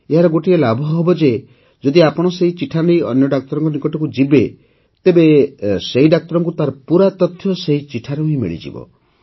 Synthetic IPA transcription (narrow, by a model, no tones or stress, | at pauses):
eɦaɾɔɡoʈielabʱɔɦɔbɔd͡ʒe | d͡ʒɔd̪iapɔɽ̃ɔseit͡ʃiʈʰanejɔ̰njɔɖak̚t̪ɔɾɔŋkɔnikɔʈɔkud͡ʒibe | t̪ebeseɦiɖak̚t̪ɔɾɔŋkut̪aɾɔpuɾat̪ɔt̪ʰːjɔseɦit͡ʃiʈʰaɾɔɦĩmḛɭḭd͡ʒḭbɔ̰